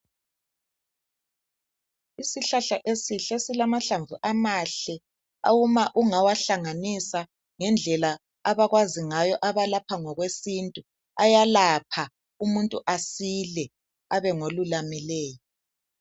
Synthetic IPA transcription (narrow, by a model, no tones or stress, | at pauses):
isiɬaɬaʔesiɬesilamaɬaɱvuʔamaɬɛ | a̰wumaʔuŋawaɬaŋanisa | ŋɛnd͡ɮʱɛla | aβaɣwaziŋajɔʔaβalapʰaŋɔɣwesintʼu | ajalapʰa | umuntʼuʔasilɛ | aβɛŋolulamilɛːjɔ